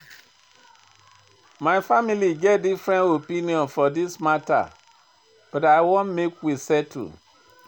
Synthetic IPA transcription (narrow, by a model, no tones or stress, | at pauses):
maɪfamiliɡɛt̚difɹɛ̃ntopĩniɔ̃nfɔdismata̰ | b̥ɔtaɪwõnmekwisɛtʰṵ